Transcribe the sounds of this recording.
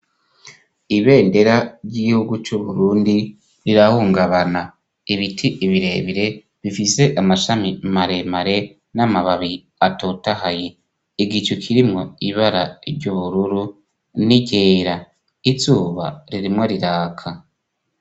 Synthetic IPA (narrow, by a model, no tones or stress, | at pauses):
iβe̞ːnde̞ɾaɾɟiɡihuɡut͡ʃuβuɾuːndi | ɾiɾahuːŋɡaβana | iβitʰiʔiβiɾe̞ːβiɾe̞ | βifise̞ʔamaʃamimaɾe̞maɾe̞ | namaβaβi | atotahaje | iɡit͡ʃukʰiɾimŋo̞iβaɾaiɾɟuβuɾuɾu | niɟeːɾa | it͡suːβa̰ɾiɾimŋoɾiɾaːkʰa